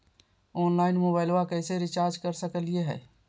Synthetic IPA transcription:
ɔːnlaːɪnmoːbaːɪlwakɛɪseɾɪt͡ʃaːɾd͡ʒkəɾsəkəlieɦɛ̰ː

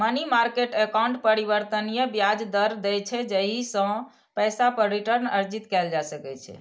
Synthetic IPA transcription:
mənimaɾkeʈekawuɳʈpəɾiβəɾt̪ənijəbjad͡ʒd̪əɾd̪ɛjt͡ʃʰɛd͡ʒəɦisə̃ | pɛjsapəɾːiʈəɾnəɾd͡ʒit̪kɛld͡ʒasəkɛt͡ʃʰɛ̰

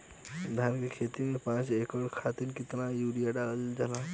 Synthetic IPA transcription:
d̪ʱankekʰet̪imepãt͡ʃekɔɽkʰat̪inkit̪najuɾijaɖald͡ʒalã

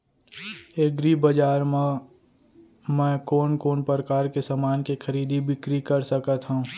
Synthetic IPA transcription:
eːɡɾibəd͡ʒaːɾ | mɛ̃ːkoːnkoːnpɾɾəkaːɾkesamaːnkexʰɐɾiːd̪ʱibʱɪkɾikɐɾsəkət̪ɦũ

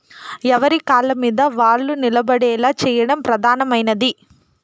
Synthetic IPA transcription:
ɛʋɐɾikaːɭɐmiːd̪ɐʋaːɭːunilɐbɐɽɛːlaːt͡ʃɛːjɐɽɐmpɾɐd̪ʱaːnɐmɐjnɐd̪i

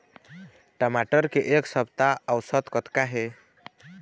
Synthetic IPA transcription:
ʈəmaʈəɾkeʔeksəb̚t̪aəwsət̪kɔt̪kaɦe

